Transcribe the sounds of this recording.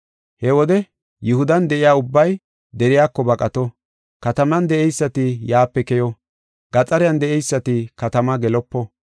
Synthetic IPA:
hɛwɔd̪ɛ | jʊhʊd̪ɐnd̪ɛʔɪjaːʊbːɐj | d̪ɛɾɪjaːkːɔbɐkʼɐt̪ɔ | kɐt̪ɐmɐnd̪ɛʔɛjsːɐt̪ɪjaːpːɛkɛjɔ | ɡ̥ɐt͡sʼɐɾɪjɐnd̪ɛʔɛjsːɐt̪ɪkɐt̪ɐmɐɡɛlɔpːɔ

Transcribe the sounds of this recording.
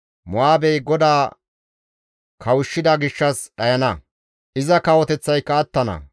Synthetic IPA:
mʊaːbɛjɡɔd̪aː | kʰɐwʊʃːɪd̪ɐɡɪʃːɐsɗɐjɐnɐ | ʔɪzɐkɐwɔt̪ɛt͡sːɐjkːɐːt̪ːɐnɐ̰

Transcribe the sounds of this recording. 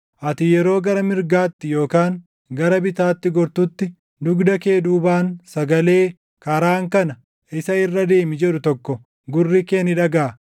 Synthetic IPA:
ʔɐt̪ɪjɛɾo̞ːɡɐɾɐmɪɾɡaːt̪ːɪjo̞ːkaːŋ | ɡɐɾɐbɪt̪aːt̪ːɪɡɔɾt̪ʊt̪ːɪ | d̪ʊɡd̪ɐkeːd̪uːbaːnsɐɡɐle̞ː | kɐɾaːŋkɐnɐ | ʔɪsɐɪrːɐd̪e̞ːmɪd͡ʒɛᶑʊt̪ɔkːɔ | ɡʊrːikeːnɪᶑɐɡaː

